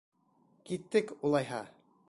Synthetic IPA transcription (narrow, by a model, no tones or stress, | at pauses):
kit̪ːɘkulˠɑjɦɑ̰